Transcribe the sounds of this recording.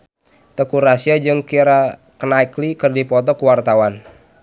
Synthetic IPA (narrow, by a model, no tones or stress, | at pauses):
t̪əkuɾasiad͡ʒɨŋkiɾa | kənaiklikɨrdipɔt̪̬ɔkuwart̪awan